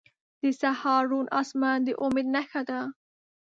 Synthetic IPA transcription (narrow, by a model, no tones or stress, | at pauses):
d̪̥isahɑːɾunʔɑ̰smand̪əʔʊmed̪naxad̪a